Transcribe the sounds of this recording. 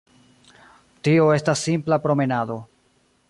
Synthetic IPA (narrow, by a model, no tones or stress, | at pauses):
tio̞e̞stasːimplapɾo̞me̞nado̞